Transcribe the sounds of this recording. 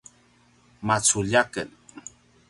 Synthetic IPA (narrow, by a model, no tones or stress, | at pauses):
mat͡suʎakən